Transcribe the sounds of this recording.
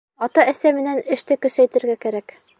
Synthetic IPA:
ɒt̪ɑæsæmɘ̆nænɘ̆ʃt̪ɘkɵ̆sæjt̪ɘ̆ɾɡækæɾæk

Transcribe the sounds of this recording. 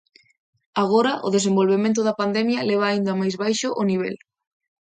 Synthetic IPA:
aɣoɾɐʔo̰ðes̬embolβemẽnt̪̬ʊðɐpand̪ɛmjɐleβ̞ɐaːind̪ɐamajzβajʃʊʔoniβ̞ɛ̰l

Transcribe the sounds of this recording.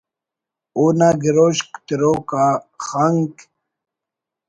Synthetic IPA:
uːnaɡiɾoɕkt̪iɾoːkaχaŋk

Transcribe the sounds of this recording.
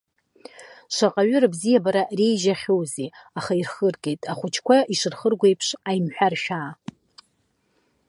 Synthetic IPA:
ʃʷaqʼaɥʊɾɨbzijabaɾarejʒaχʲowziaχairχərkʼe̞jtʼaχʷʊt͡ʃʰkʷʰaiʂɨrχərɡʷe̞jpʰʂajmħʷᶣarʃᶣaː

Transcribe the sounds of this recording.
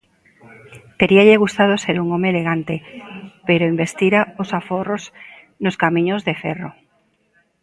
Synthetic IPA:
t̪eɾiaʎeɣ̞ust̪að̞oseɾuŋomeːleɣant̪epeɾoimbest̪iɾaosaforos | noskamĩɲozðefero

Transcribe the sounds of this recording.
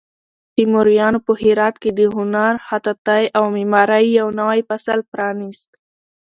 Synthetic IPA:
pimoɾijɑnopəhiɾɑt̪ked̪əɦʊnaɾhat̪at̪ajʔawmimɑɾajːawnawajpasalpɾɑnist̪

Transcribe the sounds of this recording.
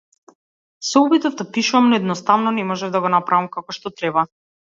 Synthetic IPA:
sɛubit̪ɔvd̪apiʃuvamnɔɛd̪nɔst̪avnɔnɛmɔʒɛvd̪aɡɔnapɾavamkakɔʃt̪ɔt̪ɾɛba

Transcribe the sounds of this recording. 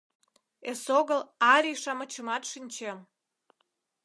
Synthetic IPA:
esoɣəlɑɾʲiʃɑmə̆t͡ɕəmɑt̪ʃinʲt͡ɕem

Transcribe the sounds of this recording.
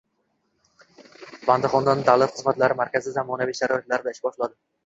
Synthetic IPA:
band̪ɨχɒnd̪and̪alˠat̪χɨzmat̪laɾɪmaɾkʲazizamɒnaviʃaɾɒjat̪laɾɪd̪aɪʃbɒʃlˠad̪ɪ

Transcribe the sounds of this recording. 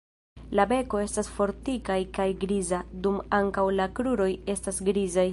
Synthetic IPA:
labe̞ko̞e̞stasfo̞ɾtikajkajɡɾizadumaŋkawlakɾuɾo̞je̞stasɡɾizaj

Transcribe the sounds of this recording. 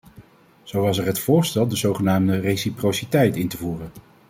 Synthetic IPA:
z̥owʋɑsɛɹɦətfʊːɹstɛlˠdəzowχənaːmdərejsiprowsitɛjtɪntəvuːrən

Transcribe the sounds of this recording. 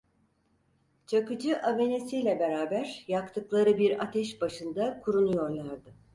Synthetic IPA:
t͡ʃʰakɯd͡ʒɯʔave̞ne̞sijlʲɛbe̞ɾaːbæɾjakt̪ʰɯklˠaɾɯbiɾa̰t̪ʰɛʃbaʃɯnd̪akʰuɾunujo̞ɾlˠaɾd̪ɯ

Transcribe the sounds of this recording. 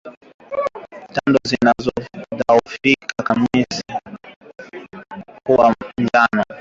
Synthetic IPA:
tandɔzinazɔdaɔfikakamisi | kuwand͡ʒanɔ

